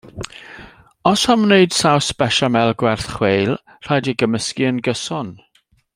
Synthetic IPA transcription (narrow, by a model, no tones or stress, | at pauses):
ɔshamneɨd̥sawsb̥ɛʃamɛlˠɡwɛrθχwejlˠ | r̥ajdiɡəməskiənɡəsɔn